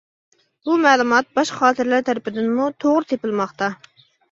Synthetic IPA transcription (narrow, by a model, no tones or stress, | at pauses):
bumɛːlˠumɑt̪̚bɑʃχɑːt̪ʰɪɾlæɾt̪ʰæɾɪpɪd̪ɪnmut̪ʰoʁɾɨt̪ʰepɪlˠmɑχt̪ɑ